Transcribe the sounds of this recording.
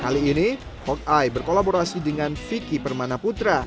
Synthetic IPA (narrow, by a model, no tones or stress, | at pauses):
kaliːni | hɔk̚ajbərkolaboɾasidəŋanfikipərmanaput̪ɾa